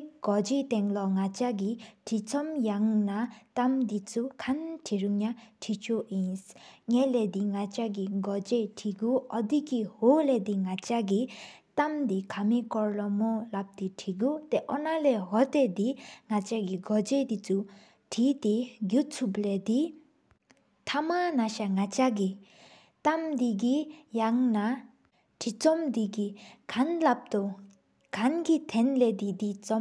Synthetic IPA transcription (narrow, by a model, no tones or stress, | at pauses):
ɡ̥ɔd͡ʒit̪ɛŋlɔŋat͡ʃaɡiʈʰit͡sʰɔmjaŋnat̪amd̪it͡sukʰantʰiɾuŋnaʈʰit͡ʃʰoinsŋelɛd̪iŋat͡ʃaɡiɡɔd͡ʒeʈʰiɡuɔd̪iɡiholɛd̪iŋat͡ʃaɡi | t̪amd̪ikʰamikɔɾlɔmɔlap̚d̪iʈʰiɡut̪ɛʔɔnalɛɦɔt̪ed̪iŋat͡ʃaɡiɡɔd͡ʒed̪it͡su | ʈʰit̪iɡjut͡sʰubled̪i | t̪ʰamanaʃaŋat͡ʃaɡi | t̪amd̪iɡijaŋna | ʈʰit͡sɔmd̪iɡikʰanlap̚t̪ɔ | ɡʰanɡit̪ʰɛnled̪id̪it͡sɔ